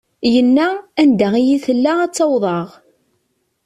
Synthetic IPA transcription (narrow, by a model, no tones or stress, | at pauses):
jənːæænd̪æʁijiθəlːaæt͡sːɑwðˤɑʁ